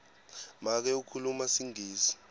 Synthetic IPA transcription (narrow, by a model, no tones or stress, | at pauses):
mak̬ɛukʰulumasiŋʱiːsi̥